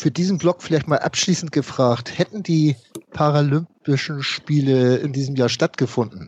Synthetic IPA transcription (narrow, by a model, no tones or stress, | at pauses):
fyːɐdiːzn̩blɔkfɪlaɪçtmaːlʔa̰pʃliːsn̩tɡ̥əfʁ̥aːxthɛtn̩diːpʰaʁalʏmpɪʃn̩ʃpiːləɪ̰ndiːzəm̩jaːɐʃtatɡ̥əfʊndn̩